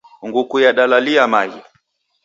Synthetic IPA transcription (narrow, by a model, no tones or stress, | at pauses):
ŋɡukujaɗalaliamaji